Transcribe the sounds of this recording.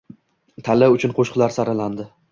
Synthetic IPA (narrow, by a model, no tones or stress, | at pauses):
t̪ʰalɪʊt͡ʃʰʊnqʰoʃqʰlaɾsaɾaland̪ɪ